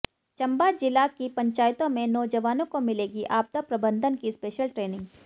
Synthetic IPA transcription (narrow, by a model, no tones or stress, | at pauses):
t͡ʃɐ̃mbad͡ʒɪlakipɐ̃ɲt͡ʃaːjt̪õmẽnɔːd͡ʒɐʋaːnõkomɪleːɡiʔaːb̚t̪apɾɐbə̃nd̪ʱənkispeːʃəlʈɾeːnɪ̃ŋɡ